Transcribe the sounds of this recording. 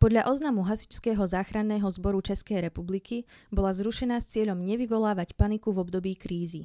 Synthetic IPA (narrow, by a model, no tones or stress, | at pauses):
pɔd̪ʎaʔɔznamuɦasi̥t͡ʃskɛːɦɔzaːxɾanːɛːɦɔzbɔɾut͡ʃɛskɛjɾɛpublikibɔlazɾuʃɛnaːst͡sɪɛʎɔmɲɛʋiʋɔlaːʋacpanikuvɔbd̪ɔbiːkɾiːzi